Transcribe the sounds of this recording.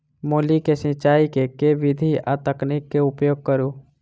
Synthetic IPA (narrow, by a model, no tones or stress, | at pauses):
moːlikesɪ̃t͡ʃaːikekeʋɪd̪ʱia̰t̪əknɪkːeʊpjoːɡ̚kəɾu